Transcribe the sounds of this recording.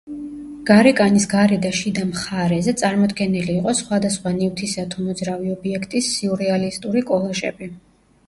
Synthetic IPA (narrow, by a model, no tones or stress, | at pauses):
ɡ̥aɾɛkʼanisɡaɾɛd̪aʃid̪amχaɾɛzɛt̪sʼaɾmɔd̪ɡɛniliːqʼɔsχwad̪asχwanift̪ʰisat̪ʰumɔd̪zɾaviɔbiɛkʰt̪ʼisːiuɾɛalist̪ʼuɾikʼɔlˠɔʒɛ̰bi